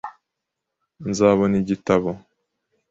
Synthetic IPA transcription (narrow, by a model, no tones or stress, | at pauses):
nzaːβoniɟitaβo